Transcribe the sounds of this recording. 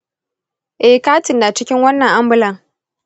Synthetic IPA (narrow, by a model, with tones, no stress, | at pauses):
ʔɛ˦hkaː˦tɪ˨nːaː˨t͡ʃɪ˦kʲɪ˦ŋwɐ˦nːɐ˨ŋʔa˦mbʊ˨lɐ˨ŋ